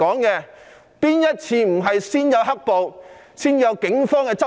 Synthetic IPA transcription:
ɔː˨˥ŋkɛː˧ | piː˥njɐ˥t̚t͡sʰiː˧m̩˨˩ɦɐ˨jsiː˥njɐ˨˧wɦɐ˥k̚po˨w | siː˥njɐ˨˧wkɪ˨˥ŋfɔː˥ŋkɛː˧t͡sɐ˥

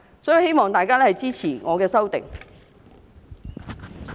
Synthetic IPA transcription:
sɔː˨˥ji˧whe˥jmɔː˨ŋt̪aː˨jkaː˥lɛː˥hɐ˨jt͡siː˥t͡sʰiː˨˩ŋɔː˨˧kɛː˧sɐ˥wt̪ɪ̰˨ŋ

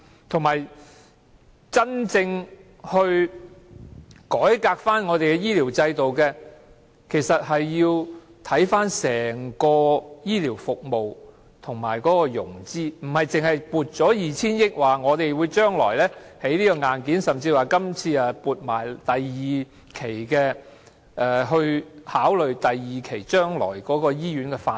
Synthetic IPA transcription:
t̪ʰʊ˨˩ŋmaː˨˩j | t͡sɐ˥nt͡sɪ˧ŋ | hɵ˧ɥ | kɔː˨˥jkaː˧k̚faː˥nŋɔː˨˧t̪e˨jkɛ˧jiː˥liː˨˩wt͡sɐ˧jt̪o˨wkɛː˧ | kʰe˨˩jsɐ˨t̚hɐ˨jːiː˧w | t̪ʰɐ˨˥jfaː˥nsɛː˨˩ŋkɔː˧jiː˥liː˨˩wfʊ˨k̚mo˨w | t̪ʰʊ˨˩ŋma̰ː˨˩jkɔː˨˦˥kɔː˧jʊ̰˨˩ŋt͡siː˥m̩˨˩hɐ˨jt͡sɪ˨˩ŋhɐ˨jpuː˨t̚t͡sɔː˨˥jiː˨t͡sʰiː˥njɪ˥k̚waː˨ŋɔː˨˧t̪e˨jwuː˨˧jt͡ʃœː˥ŋlɔ̰ː˨˩jlɛː˥he˨˥jliː˥kɔː˧ŋaː˨nkiː˨˥nsɐ˨mt͡siː˧waː˨˩kɐ˥mt͡sʰiː˧a˨puː˨t̚maː˨˩jt̪ɐ˨jiː˨ | kʰe˨˩jkɛː˧ | ʔɛ˨˧ɦɵ˧ɥhaː˨˥wlɵ˨ɥt̪ɐ˨jːiː˨˩kʰe˨˩jt͡ʃœː˥ŋlɔ̰ː˨˩jkɔː˨˥kɔː˧jiː˥jɥyː˨˥nkɛ˧faː˧

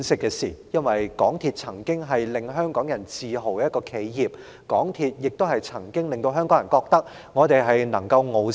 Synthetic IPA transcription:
nsɪ˥kːɛː˧siː˨˩jɐ˥nwɐ˨jkɔː˨˥ŋt̪ʰiː˧t̚t͡sʰɐ˨˩ŋkɪ˥ŋɦɐ˨jlɪ˨ŋɦœː˥ŋkɔː˨˥ŋjɐ˨˩nt͡siː˨ɦo˨˩wkɛ˧˦jɐ˥tkɔː˧kʰe˨˥jjiː˨p̚ | kɔː˨˥ŋt̪ʰiː˧t̚jɪ˨k̚t̪o˥whɐ˨jt͡sʰɐ˨˩ŋkɪ˥ŋlɪ˨ŋt̪o˧wɦœː˥ŋkɔː˨˥ŋjɐ˨˩nkɔː˧k̚t̪ɐ˥k̚ | ŋɔː˨˧t̪e˨jɦɐ˨jnɐ̰˨˩ŋkɐ˧wŋo˨˧w

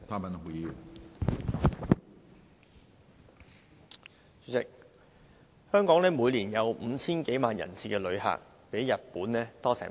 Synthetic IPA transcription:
t̪ʰaː˥mɐ˨n˨u˨ji˨˧ | y˨˥t͡sɪ˨k̚ | hœː˥ŋkɔː˨˥ŋnlɛː˥muː˨˧jliː˨˩njɐ˨˧wm̩˨˧t͡sʰiː˥nke˨˥jmaː˨njɐ̰˨˩nsʰiː˨kɛː˧lɵ˨˧ɥha̰ː˨k̚ | pe˨˥jːɐ˨t̚puː˨˥nlɛː˥t̪ɔː˥sɛ̰ː˨˩

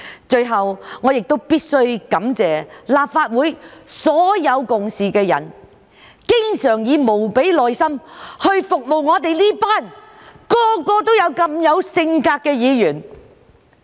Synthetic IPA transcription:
t͡ʃɵ˧ɥɦɐ˨wŋɔː˨˧jɪ˨k̚t̪o˥wpiː˥t̚sɵ˥ɥkɐ˨˥mt͡sɛː˨laː˨p̚faː˧t̚wuː˨˥jsɔː˨˥jɐ˨˧wkʊ˨ŋsiː˨kɛː˧jɐ̰˨˩n | kɪ˥ŋsœː˨˩ŋjiː˨˧mo˨˩wpe˨˥jlɔː˨jsɐ˥mhɵ˧ɥfʊ˨k̚mo˨wŋɔː˨˧t̪e˨jliː˥paː˥n | kɔː˧kɔː˧t̪o˥wjɐ˨˧wkɐ˧mjɐ˨˧wsɪ˧ŋkaː˧k̚kːɛː˧jiː˨˧jyː˨˩n

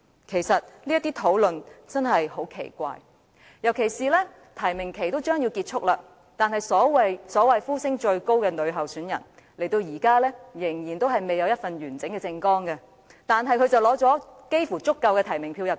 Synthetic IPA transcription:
kʰe˨˩jsɐ˨t̚liː˥jɐ˥t̪iː˥t̪ʰo˨˥wlɵ˨nt͡sɐ˥nɦɐ˨jho˨˥wkʰḛ˨˩jkʷa̰ː˧j | jɐ˨˩wkʰe˨˩jsiː˨lɛː˥ | t̪ʰɐ˨˩jmɪ˨˩ŋkʰe˨˩jt̪o˥wt͡ʃœː˥ŋji˧wkiː˧t̚t͡ʃʰʊ˥k̚laː˧ | t̪aː˨nhɐ˨jsɔː˨˥wɐ˨˧jsɔː˨˥wɐ˨jfuː˥sɪ˥ŋt͡ʃɵ˧ɥko˥wkɛ˧nɵ˨˧ɥɦɐ˨wsyː˨˥njɐ̰˨˩n | le˨˩jt̪o˧wjiː˨˩kaː˥lɛː˥jɪ˨˩ŋjiː˨˩nt̪o˥wɦɐ˨jme˨jɐ˨˧wjɐ˥tfɐ˨njyː˨˩nt͡sɪ˨˥ŋkɛː˧t͡sɪ˧ŋkɔː˥ŋkɛ˧ | t̪aː˨nɦɐ˨jkʰɵ˧ɥt͡sɐ˨wlɔː˨˥t͡sɔː˨˥ke˥jfuː˨˩t͡sʊ˥kːɐ˧wkɛː˧t̪ʰɐ˨˩jmɪ˨˩ŋpʰiː˧wjɐ˨p̚

